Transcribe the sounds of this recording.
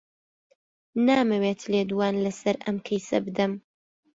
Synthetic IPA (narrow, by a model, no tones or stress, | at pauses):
naːmɐweːt̪leːd̪uwaːnlɐsɐɾʔɐ̰mkʰɐjsɐ̰bɨd̪ɐm